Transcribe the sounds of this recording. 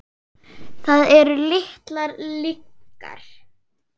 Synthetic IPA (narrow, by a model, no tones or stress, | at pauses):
θaðɛɾʏlɪht̪laɾlikːa̰ɾ̥